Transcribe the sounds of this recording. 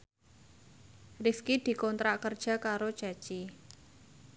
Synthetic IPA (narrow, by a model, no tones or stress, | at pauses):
riskid̪̥i̤kɔnt̪ɾaʔkərd̥ʒ̥a̤kaɾo̥ʒ̥a̤̥t͡ʃi